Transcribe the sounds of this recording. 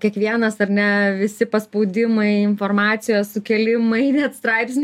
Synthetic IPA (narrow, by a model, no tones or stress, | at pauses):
kʲiɛkʋʲiɛnɐsɐɾnʲɛʋʲɪsʲɪpɐspɐʊd̪ʲɪmɐɪɪnfoːrmɑːt̪sʲɪjosʊkʲɛlʲɪmɐɪnʲɛt̪st̪ɾɐɪpsʲnʲ